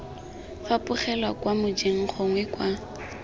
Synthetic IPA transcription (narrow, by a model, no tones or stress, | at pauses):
fapʊχɛlwakwamʊd͡ʒeŋ̩χɔŋwɛkwa